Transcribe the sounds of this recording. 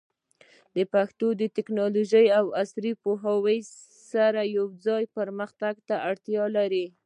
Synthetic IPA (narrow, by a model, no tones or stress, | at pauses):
d̪əpaxt̪od̪ət̪ɪknɑloʒəjawasɾipoɦawəj | saɾajawd͡zɑjpəɾməxt̪aɡ̚t̪aʔaɽt̪jɑlaɾi